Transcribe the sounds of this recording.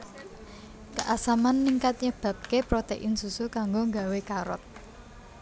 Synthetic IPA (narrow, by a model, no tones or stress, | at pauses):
kəʔasamanːiŋkat̪̚ɲəb̥ä̤p̚kepɾot̪eʔɪnsusukaŋɡoŋɡawekaɾɔ̰t̪̚